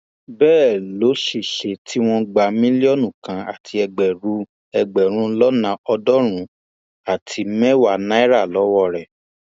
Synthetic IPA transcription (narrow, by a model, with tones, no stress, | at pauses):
bɛː˦˨lo˨˦ʃe˨ʃe˨tʰi˦w̃ɔ̃˧ɡ͡ba˧mĩ˦li˦ɔ˦˨nũ˦˨kã˨˦a̰˨tʰi˧ɛ˧ɡ͡bɛ˨ɾu˧˦ | ɛ˧ɡ͡bɛ˨ɾ̃ũ˨˦lɔ˦nã˧˦ɔ˧dɔ˦ɾ̃ũ˨˦ | a˦˨tʰi˨˧mɛ̃˦wa˨nã˦i˦ɾa˦˨lɔ˨˦wɔ˦˨ɾɛ˨